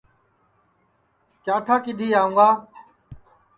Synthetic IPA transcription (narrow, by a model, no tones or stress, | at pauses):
kjaːʈʰaːkɪd̪ʱiːaːũːŋɡaː